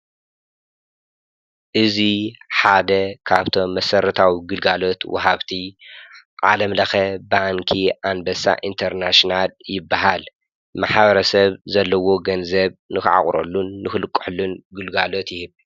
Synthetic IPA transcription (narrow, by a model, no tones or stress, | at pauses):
ʔɨziħad̪ɐkʰaβt̪ʰo̞mːɐsɐɾɐt̪ʰawiɡɨlɡalo̞t̪wɐ̰ɦaβt̪ʰi | ʕalɐmlɐxɐbaŋkʰiʔanbɐsa̰ʔint̪ʰɐɾnaʃnaljɪbːaɦal | maħbɐɾɐsɐβzɐlːɐwo̞ɡɐnzɐβnɨxɨʕa̰χʼɾo̰lːunːɨxɨlɨkʼːʊ̥ħlunɡɨlɡalo̞t̪jɪhɨβ